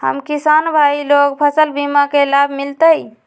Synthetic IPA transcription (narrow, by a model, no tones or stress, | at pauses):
hə̰mkisanbʱailoɡpʰəsəlbimakelabʱmilt̪əj